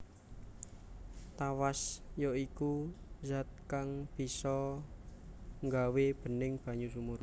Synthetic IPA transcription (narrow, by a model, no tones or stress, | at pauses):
t̪awasjɔikuzat̪̚kaŋb̥i̤sɔ | ŋɡaweb̥ə̤nɪŋb̥ä̤ɲusumur